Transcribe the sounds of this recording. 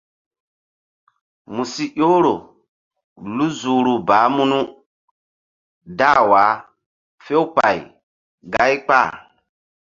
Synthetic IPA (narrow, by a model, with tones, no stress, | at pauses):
mu˨si˦ʔo˦ɾo˨ | lu˦zu˨ɾu˨baː˨˦mu˦nu˦ | da˦˨waː˨˦ | fe˦u˦pa˨ḭ˨ | ɡa˦i˦k͡pa̰˦˨